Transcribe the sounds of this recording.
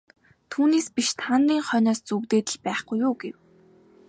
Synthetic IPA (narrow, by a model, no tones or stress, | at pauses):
t̪ʰuːneːspiʃt̪ʰanriːŋχœːnɔːst͡suɣt̪eːt̪ə̆ɮpæːχɡujʊːɡew